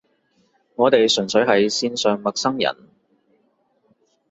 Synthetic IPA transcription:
ŋɔː˨˧t̪e˨jsɵ˨˩nsɵ˨˥ɥɦɐ˨jsiː˧nsœː˨ŋmɐ˨k̚sɐ˥ŋjɐ̰˨˩n

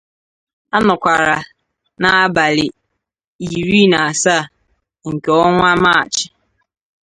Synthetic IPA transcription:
a˦nʊ˨kʷa˨ɾa˨ | na˨a˦ba˨lɪ˨ | i˨ɾi˦na˨a˨sa˦˨ | ŋ̩˨ke˨ɔ˦ŋʷa˦ma˦˨t͡ʃɪ˨

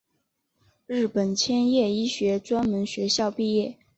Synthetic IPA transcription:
ɻɻ̩˥˩pə˨˩nt͡ɕʰjɛ˥njɛ˥˩i˥ɕɥɛ˧˥t͡swa˥nmə˧˥nɕɥɛ˧˥ɕjɑ˥˧ʊpi˥˧jɛ˥˩

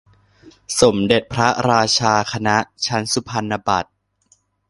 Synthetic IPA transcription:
so˩˦mde˨˩t̪̚pʰɾa˦˥ɾaː˧t͡ɕʰaː˧kʰa˧na˦˥ʔt͡ɕʰa˦˥nsu˧˩pʰa˧nːa˧ba˨˩t̪̚

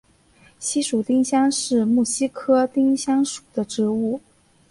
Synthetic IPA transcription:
ɕi˥ʂu˨˩t̪i˥ŋɕjɑ˥ŋʂɻ̩˥˩˧mu˥˩ɕi˥kʰɤ˥t̪i˥ŋɕjɑ˥ŋʂu̥˨˩d̪̥ə˦ʈ͡ʂɻ̩˧˥u˥˩

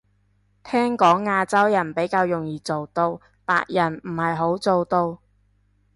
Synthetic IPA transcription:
t̪ʰɛː˥ŋkɔː˨˥ŋːaː˧t͡sɐ˥wjɐ˨˩npe˨˥jkaː˧wjʊ˨˩ŋjiː˨t͡so˨wt̪o˧w | pa̰ː˧k̚jɐ˨˩nm̩˨˩hɐ˨jɦo˨˥wt͡so˨˧wt̪o˧w

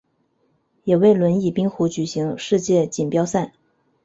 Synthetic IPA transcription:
jɛ˨˩we˥˩ɪlwə˧˥ni˥˩pi˥ŋxu˧˥t͡ɕy˨˩ɕi˧˥ŋʂɻ̩˥˧t͡ɕjɛ˥˩t͡ɕi˨˩npjɑ˥ʊsa˥˩n

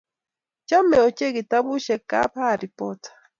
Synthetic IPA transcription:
t͡ʃa˦mɛ˨ɔ˨cɛ˦ɡi˨ta˦βu˦ʃɛ˨ka̰˦pa˦˨ɾi˨pɔtḁ˨

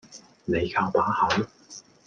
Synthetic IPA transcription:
ne˨˧jkʰaː˧wt̪aː˨˥hɐ˨˥w

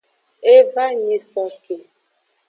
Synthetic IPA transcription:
e˦va˦ɲi˨sɔ˨ke˨

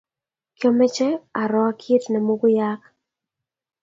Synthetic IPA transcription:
kjɔ˦mɛ˦t͡ʃɛ˦a˨ɾɔ˨˦kʰi˦tnɛ˨mo˦ɡʊ˦ja˦k

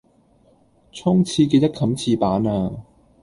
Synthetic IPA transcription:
t͡sʰʊ˥ŋt͡sʰiː˧ke˧jt̪ɐ˥kʰɐ˨˧˥mt͡sʰiː˧paː˨˥naː˧

